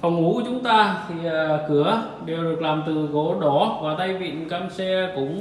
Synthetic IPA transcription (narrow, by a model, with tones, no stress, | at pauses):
fa˨˩wŋ͡mʔu˨˦t͡ɕʊ˨˦ŋ͡mt̪aː˧t̪ʰi˨˩˨kɨ˨˧˩ə | ɗe˨˩wɗɨ˨˩ək̚laː˨˩mt̪ɨ˨˩ko˨˦ɗɔ˨˦vaː˨˩t̪ə˧jvḭ˧˨ənkaː˧msɛ˧kʊ̰˧˥ŋ͡m